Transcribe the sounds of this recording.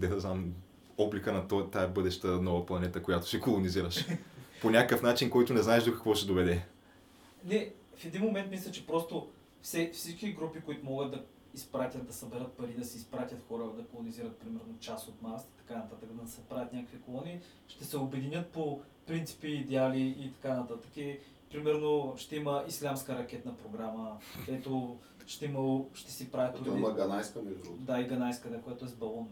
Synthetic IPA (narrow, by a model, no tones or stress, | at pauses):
d̪ɛd̪ɐznam | ɔblikənɐt̪t̪ːaɛbɤd̪ɛʃt̪ənɔvɐplˠɐnɛt̪əkojat̪o̥sikolˠoniziɾəʃponʲakəkəfnat͡ʃinkɔjt̪ʊnɛznaɛʒd̪okɐ̥kvɔʃt̪ɛd̪ovɛd̪ɛ | nɛ | fɛd̪inmomɛnt̪mislʲɛt͡ʃɛpɾɔst̪o | fsɛfsit͡ʃkʲiɡɾupikoit̪ʊmɔɡəd̪̚d̪ɐ | ispɾat̪ʲət̪̚d̪ɐsɐbɛɾət̪̚pɐɾid̪ɐsɛispɾat̪ʲət̪xɔɾəd̪ɐkolˠoniziɾət̪̚pɾimɛɾnot͡ʃasot̪maɾsi̥t̪ɐ̥kanɐt̪at̪əkd̪ɐsɛpɾavʲjət̪nʲakəkvʲikolˠɔniː | ʃt̪ɛsɛobɛd̪inʲət̪̚po | pɾint̪i̥piːd̪ɛaliːt̪ɐ̥kanɐt̪at̪ə̥ki | pɾimɛɾnoʃt̪ɛiməislʲamskəɾɐkʲɛt̪nɐpɾoɡɾaməkɛt̪o | ʃt̪ɛimɐloʃt̪ɛsɛpɾavʲət̪oɔimɐɡɐnajskəmiʒɾud̪aiɡɐnajskəd̪akojat̪ʊɛzbɐlˠɔn